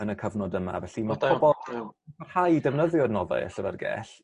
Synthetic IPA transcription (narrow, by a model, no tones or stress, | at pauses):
ənəkʰəvnɔdəma̰vɛɬimapʰɔbɔlˠarhajdɛvnəðjɔdnɔða̰ja̰ɬəvɛ̰rɡɛ̰ːɬ